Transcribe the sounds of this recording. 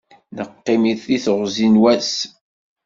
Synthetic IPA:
nəqːimiθiθəʁzinwæs

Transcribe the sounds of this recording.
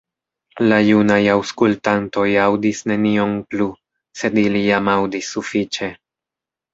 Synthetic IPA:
lajunajawskultanto̞jawdisne̞nio̞mplu | se̞dilijamawdisːufit͡ʃe̞

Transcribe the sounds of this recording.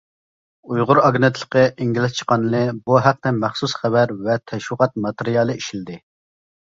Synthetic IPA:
ujʁʊɾɑɡnɨt̪ʰlˠə̥qəʔiŋɡʲilɪst͡ʃʰə̥qɑnɨlɨbuɦæq̚t̪ɛmæχsusχɛbæɾvɛt̪ʰɛʃwəʁɑt̪̚mɑt̪eɾijɑlˠɨiʃilɪd̪ɪ

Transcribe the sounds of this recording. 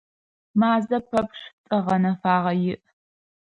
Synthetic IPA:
maːzɐpʰɐpʂtʼɐʁɐnɐfaːʁɐjɪʔ

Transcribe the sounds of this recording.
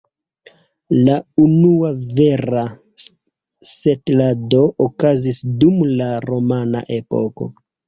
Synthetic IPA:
launuave̞ɾa | setlado̞ʔokazisdumlaɾo̞mana̰ʔe̞po̰ko̞̰

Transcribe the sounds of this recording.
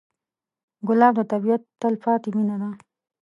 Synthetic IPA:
ɡʊlɑːb̚d̪ət̪abijat̪ːalfɑːt̪iminad̪a

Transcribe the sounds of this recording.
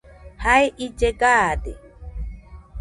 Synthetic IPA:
haeʔit͡ʃekat̪ḛ

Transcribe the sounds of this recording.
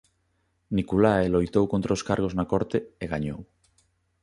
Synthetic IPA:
nikulaelojt̪owkont̪ɾaoskaɾɣ̞oznakoɾt̪eeɣaɲow

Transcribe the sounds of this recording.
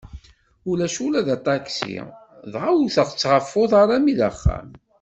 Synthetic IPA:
ulæʃulæðæt̪ˤɑksḭ | ðʁawθəʁt͡sːʁəfːʊðˤɑɾˤamiðəχːæ̰m

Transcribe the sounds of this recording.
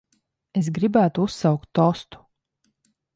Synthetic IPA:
esɡɾibæːt̪uusːɑwkt̪ːɔst̪u̥

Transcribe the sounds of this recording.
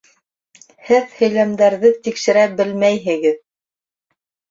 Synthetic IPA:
hɘðhɵ̆jlæmd̪æɾðɘt̪ikʃɘ̆ɾæbɘlmæjɦɘ̆ɡɘð

